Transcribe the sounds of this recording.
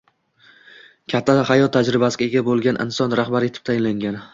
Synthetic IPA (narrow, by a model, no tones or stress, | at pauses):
kʲʰat̪ʰːahajɒt̪ʰːad͡ʒɾɪbasɪɡʲaeɡʲabolˠɡʲanʔɪ̰nsɒnɾahbaɾɪet̪ʰɪ̥t̪ʰajɪnlaŋɡʲan